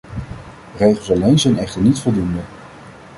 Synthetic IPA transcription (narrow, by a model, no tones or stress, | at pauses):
rejχəl̩ˠsɑlejnzɛjnɛχtəɹnitfɔlˠdundə